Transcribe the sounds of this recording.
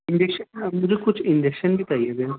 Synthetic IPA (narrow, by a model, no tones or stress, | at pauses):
ɪ̃nd͡ʒekʃənmʊd͡ʒʱekʊt͡ʃʰɪ̃ɲd͡ʒekʃənbʱit̪ɐijad̪e